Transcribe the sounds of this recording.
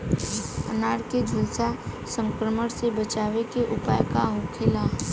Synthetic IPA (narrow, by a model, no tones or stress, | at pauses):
ə̰naːɾked͡ʒʱʊlsasə̃ŋkɾəməɽsebət͡ʃaːʋekeʔʊpa̰ːjkaɦokʰɪlaː